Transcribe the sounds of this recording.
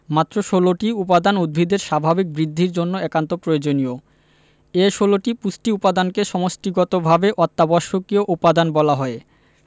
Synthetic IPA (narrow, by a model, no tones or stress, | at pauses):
mat̪ːɾoʃoloʈiupad̪anud̪̚bʱid̪eɾʃabʱabik̚bɾid̪ʱːiɾd͡ʑonːoɛkant̪opɾojod͡ʑonio | eʃoloʈipusʈiupad̪ankeʃɔmosʈiɡɔt̪obʱabeʔɔt̪ːabɔʃokioʔupad̪anbɔlaɦɔe